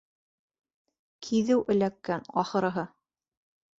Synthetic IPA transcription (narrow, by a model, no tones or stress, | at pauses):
kʰiðɘwʔɘ̆lækːænɑχɤ̆ɾɤ̆ɦɤ